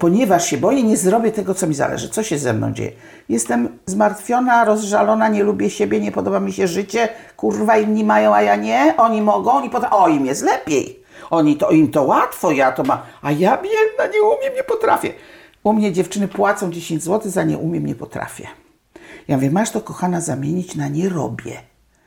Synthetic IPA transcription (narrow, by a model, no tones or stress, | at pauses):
pɔɲɛvaʂɕɛbɔjɲɛɲɛzɾɔbʲjɛt̪ɛɡɔt̪sɔmʲiza̰lɛ̰ʐɘt̪sɔɕɛzɛmnɔ̰w̃d͡ʑḛjɛ̰ | jɛst̪ɛmzmaɾt̪fʲjɔnaɾɔzʐalɔnaɲɛlubʲjɛɕebʲjɛɲɛpɔd̪ɔbamʲiɕɛʐɘt͡ɕɛkurvainːimajɔ̃w̃ajaɲɛʔɔɲimɔɡɔ̃w̃ɔɲipɔt̪aɔimjɛst̪lɛpʲjḛj | ɔɲit̪ɔimt̪ɔwat̪fɔjat̪ɔmamajamɲɛnaɲɛumʲjɛmɲɛpɔt̪ɾafʲjɛ̰ | umɲɛd͡ʑɛft͡ʂɘnɘpwat̪sɔ̃w̃d͡ʑeɕeɲd͡ʑzwɔt̪ɘzaɲɛ̰ʔumʲjɛmɲɛpɔt̪ɾa̰fʲjɛ̰ | jamvʲɛmːaʂt̪ɔkɔxanazamʲjeɲit͡ɕnaɲɛɾɔ̰bʲjɛ̰